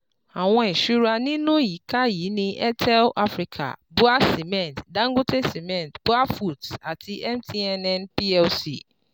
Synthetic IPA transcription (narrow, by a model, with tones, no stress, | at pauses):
ã˨wɔ̃˦˨ɕu˦ɾa˦nɪ̃˦nʊ̃˦ji˨kʰa˦ji˨˦nɪ̃˦ʔɛ˦tʰɛ˦lʔa˦fɾi˨kʰa̰˨bʊ˦a˦si˨mɛ̃˨ntdã˦ŋɡʊ˦tʰe˦si˨mɛ̃˨ntb̥ʊ˦a˦fu˦˨ta˨tʰɪ˦ʔɛ˦mtʰi˦ɛ˦nɛ̃˦npi˦ɛ˦lsḭ˨